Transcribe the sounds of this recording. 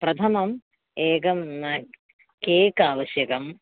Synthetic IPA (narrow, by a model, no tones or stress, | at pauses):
pɾɐt̪ʰɐmɐm | eːkɐmnɐ | keːkaːʋɐsjɐkɐm